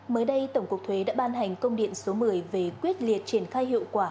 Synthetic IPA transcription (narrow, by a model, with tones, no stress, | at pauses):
məː˨˦jɗə˧jt̪ə˧˩wŋ͡mku˨˩ək̚t̪ʰwe˨˦ɗa̰ː˧˥ɓaː˧nɦa˨˩jŋ̟kə˧wŋ͡mɗḭ˧˨ənso˨˦mɨ˧˩əjve˨˩kwi˦˥ət̚li˨˩ət̚t͡ɕi˧˩ənxaː˧jɦḭ˧˨əwkwaː˧˩